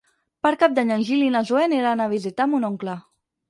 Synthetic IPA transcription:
paɾkap̚d̪aɲanʒilinazueneɾanaβizit̪amunɔŋkla

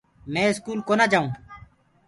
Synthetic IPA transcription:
mɛ̃ːɪskuːlkoːnaːd͡ʒaːũː

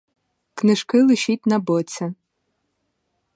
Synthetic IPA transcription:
knɪʃkɪlˠɪʃitʲnɐbɔt͡sʲɐ

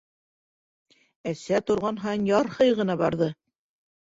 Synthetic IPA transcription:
æsæt̪ŏɾʁɑnɦɑnjɑɾhɤjʁɤ̆nɑbɑɾðɤ

